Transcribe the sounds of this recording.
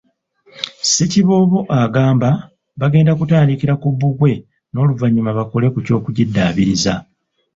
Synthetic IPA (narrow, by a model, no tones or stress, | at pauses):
seciβo̞ːβo̞ʔaɡaːmba | βaɡe̞ːndakutaːndikiɾakuβuɡwe̞ | no̞ːluvaɲːumaβako̞le̞kuco̞ːkuɟidːaːβiɾiza